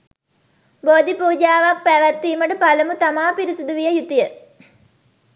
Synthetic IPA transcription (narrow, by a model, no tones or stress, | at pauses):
boːd̪ipuːd͡ʒaːʋak̚pæʋæt̪ːiːməʈəpaləmut̪amaːpiɾisud̪uʋijəjut̪ijə